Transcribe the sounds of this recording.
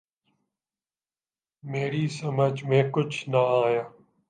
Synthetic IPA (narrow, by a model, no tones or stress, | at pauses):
meːɾiːsəməd͡ʒmẽːkʊt͡ʃʰnəaːjaː